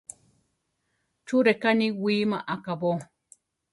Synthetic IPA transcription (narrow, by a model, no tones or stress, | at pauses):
t͡ʃuɾekanĩwiːmãʔakaβo